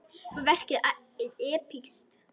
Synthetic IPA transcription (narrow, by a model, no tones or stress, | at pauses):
fɔvɛr̥cɪa | ɪðɛːpʰikst̪